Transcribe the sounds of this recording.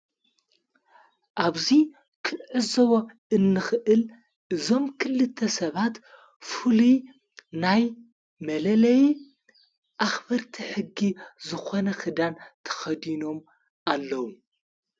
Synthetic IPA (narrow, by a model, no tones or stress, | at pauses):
ʔaβzi | kʰɨnʕɨzɐwo | ɨnːɨxɨʔɨl | ʔɨzo̞mkʰɨlːɨt̪ʰːɐsɐβat̪ | fuli | naj | mɐlɐlɐj | ʔaxbɐɾt̪ʰiħɨɡːizɨxo̞nɐxɨd̪ant̪ʰɐ̥xɐd̪ino̞m | ʔalːɐwu